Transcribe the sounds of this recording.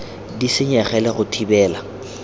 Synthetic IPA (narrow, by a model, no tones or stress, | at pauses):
disɪɲɛχɛlɪɣʊtʰibɛːla